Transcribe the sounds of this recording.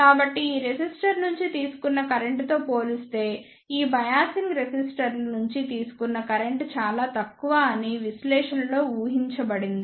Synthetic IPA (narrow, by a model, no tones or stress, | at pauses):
kaːbɐʈːiiːɾesisʈɐɾnuɲt͡ʃit̪iːsu̥kunːɐkɐɾeɳʈt̪o̞ːpo̞ːlist̪e̞ː | iːbɐjaːsiŋɡɾesisʈɐɾlɐnuɲt͡ʃit̪iːsu̥kunːɐkɐɾeɳʈt͡ʃaːlaːt̪ɐkːuʋaːniʋislɛːʂɐnɐlo̞ːuːɦiɲt͡ʃɐbɐɽind̪i